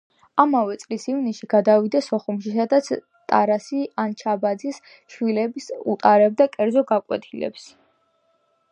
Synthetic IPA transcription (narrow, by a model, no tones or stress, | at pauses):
amavɛt̪sʼlisivnisʃiɡ̥ad̪avid̪asɔχumʃisad̪at̪sʰ | t̪ʼa̰ɾasiant͡ʃʰabad̪zis | ʃwilɛbisṵt̪ʼaɾɛb̚d̪akʼɛɾd̪zɔɡakʼwɛ̰t̪ʰilɛ̰ps